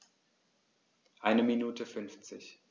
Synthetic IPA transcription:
ʔaɪnəminuːtʰəfʏnft͡sɪç

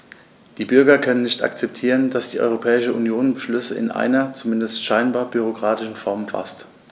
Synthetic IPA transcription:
d̥iːbʏɐɡɐkʰœnənːɪçta̰kt͡sɛp̚tʰiːʁənd̥asd̥iːʔɔ̰ʏʁopʰɛːɪʃəunjoːnbəʃlʏsəɪ̰nʔa̰ɪnɐt͡sumɪndəstʃaɪnbaːɐbyʁ̞okʁ̥aːtɪʃn̩fɔɐmfa̰st

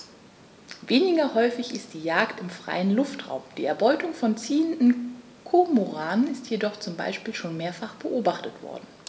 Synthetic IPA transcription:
veːnɪɡɐhɔʏfɪçɪstd̥iːjaːktɪmfʁ̥a̰ɪənlʊftʁ̥a̰ʊmd̥ḭːɛɐbɔʏtʊŋfɔnt͡siːəndn̩ | kʰomoʁaːnənɪstjedɔχt͡sʊmba̰ɪʃpiːlʃoːnmeːɐfaχb̥əʔoːbaχtətv̥ɔ̰ɐdn̩

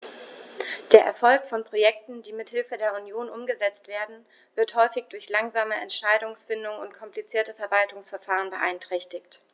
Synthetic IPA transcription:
d̥eːɐʔɛɐfɔlkfɔnpʁ̥ojɛk̚tn̩d̥iːmɪthɪlfədeːɐunjoːnʔʊmɡəzɛt͡stv̥eːɐdn̩ | v̥ɪɐthɔʏfɪçd̥ʊɐçlaŋzaːməʔɛ̰ntʃaɪdʊŋsfɪndʊŋʊntkʰɔmplit͡siːɐtəfɛɐvaltʊŋsfɛɐfaːʁ̞ənbəʔaɪntʁ̥ɛçtɪçt

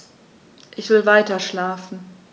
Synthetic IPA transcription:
ʔɪçv̥ɪlvaɪtɐʃlaːfn̩

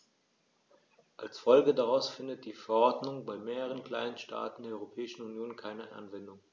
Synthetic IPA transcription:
ʔalsfɔlɡədaʁaʊsfɪndət̚d̥iːfɛɐʔɔɐdnʊŋbaɪmeːʁəʁ̞ənkl̥a̰ɪnənʃta̰ːtn̩deːɐɔʏʁopʰɛːɪʃn̩unjoːnkʰaɪnəʔa̰nvɛndʊŋ

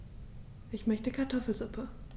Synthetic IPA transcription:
ʔɪçmœçtəkʰaɐtʰɔfl̩zʊpʰə

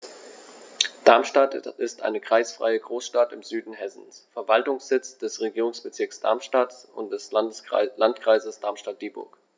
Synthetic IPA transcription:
d̥aɐmʃtatɪstʔa̰ɪnəkʁ̥aɪsfʁ̥a̰ɪəɡʁoːsʃtatɪmzyːdn̩ɦɛsn̩sfɛɐvaltʊŋsz̥ɪt͡sd̥ɛsʁeɡiːʁʊŋsb̥ət͡sɪɐksd̥a̰ɐmʃtatʊ̰nt̚d̥ɛslantkʁ̥aɪzəsd̥aɐmʃtat̚d̥iːbʊ̰ɐk

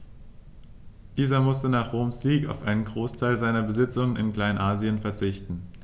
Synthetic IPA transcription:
d̥iːzɐmʊstənaːχʁoːmsz̥iːka̰ʊfʔaɪnənɡʁoːstʰaɪlzaɪnɐbəzɪt͡sʊŋənɪnkl̥aɪnʔaːziənfɛɐt͡sɪçtn̩

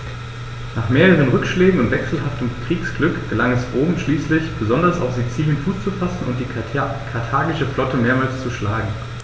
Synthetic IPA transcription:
naːχmeːʁəʁ̞ənʁʏkʃleːɡŋ̩ʊntv̥ɛksl̩ɦaftəmkʁ̥iːksɡ̥lʏkɡ̥əlaŋɛsʔoːbm̩ʃliːslɪçb̥əzɔndɐsa̰ʊfz̥it͡siːlnt͡suːt͡sufasn̩ʊ̰nt̚d̥iːkʰaɐtʰaːɡɪʃəflɔtəmeːɐmaːlst͡suʃlaːɡŋ̩

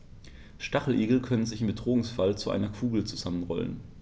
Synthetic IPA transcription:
ʃtaχl̩ʔiːɡl̩kʰœnənzɪçɪmbədʁoːŋsfalt͡suʔa̰ɪnɐkʰuːɡl̩t͡suzamənʁɔ̰lə̰n

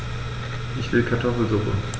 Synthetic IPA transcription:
ʔɪçv̥ɪlkʰaɐtʰɔfl̩zʊχn̩

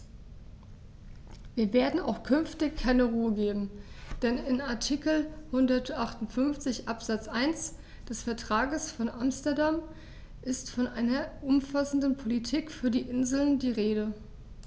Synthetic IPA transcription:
viːɐveːɐdn̩a̰ʊxkʰʏnftɪçkʰːaɪnəʁuːəɡeːbm̩d̥ɛnɪnaɐtʰikl̩hʊndɐtʔaχtʊntfʏnft͡sɪçʔapz̥at͡sʔaɪns | d̥ɛsfɛɐtʁ̥aːɡəsfɔnʔamstɐdam | ʔɪstfɔnʔaɪnɐʔʊmfasn̩dnpʰolitʰiːkfyːɐdiːʔɪnzl̩ndiːʁeːɾə

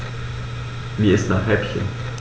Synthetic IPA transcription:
viːɪstnaːχɛpçə̰n

